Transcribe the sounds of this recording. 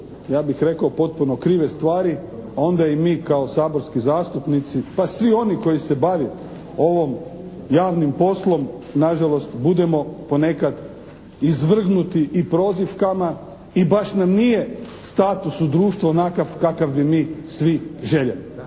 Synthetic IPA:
jaːbixɾe̞kaopo̞t̪̚punokɾiːʋest̪ʋaːɾi | ao̞nd̪aimiːkao̞saːboɾskizaːst̪upnit̪sipasʋio̞niko̞jisebaʋi | o̞ʋo̞m | jaːʋnimpo̞slˠo̞m | naʒalˠo̞st̪bud̪e̞mo̞po̞ne̞kad̪ | izʋr̩ɡnut̪iʔipɾo̞ːzifkama | ibaʃnamnije | st̪aːt̪usud̪ɾuːʃt̪ʋonakafkakaʋbimiːsʋiʒe̞ʎeli

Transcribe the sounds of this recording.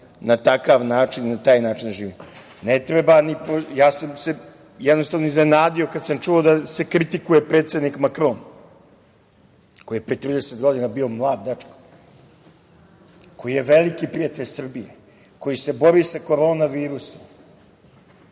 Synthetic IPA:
nat̪akaʋnaːt͡ʃininat̪aːjnaːt͡ʃind̪ʒiːʋim | net̪ɾebanipojaːsamse̞ | jɛd̪no̞st̪aʋnoizne̞naːd̪io̞kad̪samt͡ʃuod̪ase̞kɾit̪ikuje̞pɾeːt̪sʲe̞d̪nikmakɾo̞ːn | kojijepɾet̪ɾiːd̪eset̪ɡo̞d̪inabiːo̞mlˠaːd̪̚d̪at͡ʂko̥ | ko̞jije̞ʋelikipɾijat̪eʎʲsr̩bije | ko̞jise̞bo̞ɾisako̞ɾoːnaʋiːɾuse̥

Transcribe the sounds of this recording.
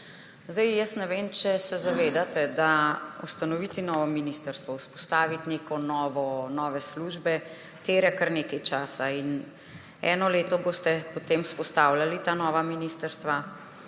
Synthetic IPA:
zd̪ɛjjəsnɛʋeːmt͡ʃɛsɛzaʋeːd̪at̪ɛd̪aṵst̪anɔʋit̪inɔːʋɔminist̪əɾst̪ʋɔwspɔ̥st̪aːʋit̪nekɔnɔːʋɔnɔːʋɛsluːʒbɛ | t̪eɾɛkaɾneːkɛjt͡ʃaːsain | ɛ̰ːnɔleːt̪ɔboːst̪ɛpɔt̪eːmuspɔst̪aːwlʲjalit̪aːnɔːʋaminiːst̪əɾst̪ʋa

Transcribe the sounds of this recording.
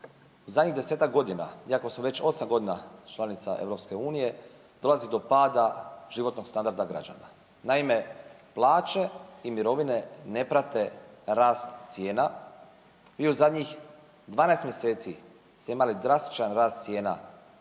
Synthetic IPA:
uzad̪ɲiɣd̪ese̞ːt̪ak̚ɡo̞d̪ina̰ijako̞smoʋe̞t͡ɕo̞samɡo̞d̪inat͡ʃlˠanit̪sa̰ʔe̞̰ʋɾo̞pske̞uːnije̞ | d̪o̞lazid̪opaːd̪aʒ̥iʋo̞t̪no̞ɡst̪and̪aɾd̪aɡɾa̰d͡ʒa̰na̰ | naime̞plˠaːt͡ʃe̞imiɾo̞ʋine̞ne̞pɾat̪e̞ɾaːst̪t̪sije̞ːna | ʋiːuzad̪ɲix | d̪ʋaːnaest̪mjese̞ːt̪si | st̪e̞imalid̪ɾast̪i̥t͡ʃanɾaːst̪sʲje̞ːna̰

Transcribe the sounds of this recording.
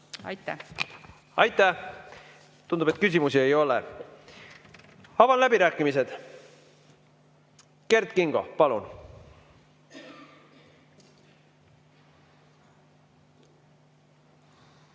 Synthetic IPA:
ɑ̰jt̪ːæ̰ | ɑjt̪ˑːæ | t̪und̪upet̪̚kys̬ʲimusie̞jo̞lḛ | ɑvɑnlæbiɾæːkˑːimise̞d̪̥ | ke̞rd̪̥kiŋɡ̥o̞̰pɑlun

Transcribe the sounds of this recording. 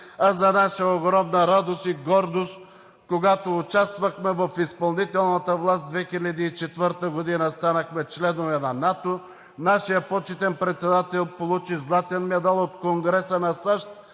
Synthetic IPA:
azɐnaʃəoɡɾɔmnɐɾad̪ost̪iɡɔɾd̪ost̪ | koɡat̪oːt͡ʃast̪vɐxmɛvɐfispɐlˠnit̪ɛlˠnət̪əvlˠasd̪vɛxilʲɐd̪iːt͡ʃɛt̪vəɾt̪əɡod̪inəst̪anɐxmɛt͡ʃlɛnovɛnɐnat̪o | naʃijəpɔt͡ʃɛt̪ɛnpɾɛt̪sɛd̪at̪ɛlˠpolˠut͡ʃizlˠat̪ɛnmɛd̪alˠot̪koŋɡɾɛsənɐsaʃt̪

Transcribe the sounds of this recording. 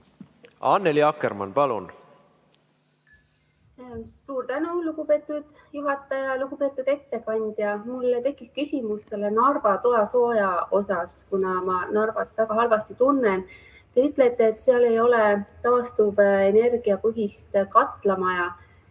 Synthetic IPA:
ɑːnːeliɑkːeɾmɑ̰npɑlṵn | suːrt̪ænuluɡ̥upe̞ːt̪ːˑud̪̥ | juɦɑt̪ːˑɑjɑluɡ̥upe̞ːt̪ːˑud̪̥e̞t̪ːe̞kɑnʲd̪̥jɑmulːt̪e̞kːˑiskysimust̪se̞lːenɑrvɑt̪o̞jɑso̞ːjɑo̞sɑskunɑmɑnɑrvɑt̪ːˑvæɡ̥ɑɦɑlvɑst̪it̪unːen | t̪e̞yt̪ˑlet̪ːˑe̞ːt̪ːseɑle̞jo̞let̪ɑːst̪ube̞ne̞rɡ̥iɑpɤɦist̪kɑt̪ːˑlɑmɑjɑ

